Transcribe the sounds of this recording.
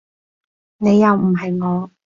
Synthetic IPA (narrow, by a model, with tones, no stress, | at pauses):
ne˨˧jːɐ˨wm̩˨˩ɦɐ˨jŋɔː˨˧